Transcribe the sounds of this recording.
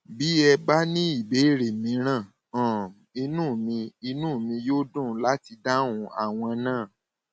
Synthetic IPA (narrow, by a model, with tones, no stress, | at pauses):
bi˨˦ɛ˧ba˦nĩ˦i˦˨be˨˦˨ɾe˨mĩ˨˦ɾ̃ã˦˨ | ɔ̃˨ | i˧nũː˦˨mĩ˧i˧nũ˦˨mĩ˧jo˦dũ˦˨la˦ti˧da˦wũ˧a̰˦˨w̃ɔ̃˧nãː˦˨